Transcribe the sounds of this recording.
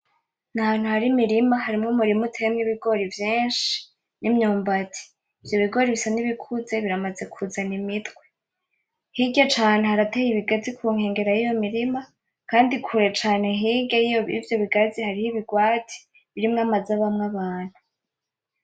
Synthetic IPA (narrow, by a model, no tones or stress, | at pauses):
nahaːn̥huhaɾimiɾimaɦaɾimŋomuɾimutʰejemŋiβiɡo̞ɾivjiːnʃi̥ | nimɲuːmbatʰi̥ː | vjo̞βiɡo̞ɾiβisaniβikʰuze̞βiɾamaze̞kʰuzanimitɡwe̞̥ | hiɡat͡ʃaːne̞haɾatejiβiɡazikʰuːŋ̥he̞ːŋɡe̞ɾajijo̞miɾima | kaːndikʰuɾe̞t͡ʃaːne̞ɦiɡejijoβivjo̞βiɡazihaɾihiβiɡwaːtʰi̥ | βiɾimŋamazaβamŋaβaːn̥hu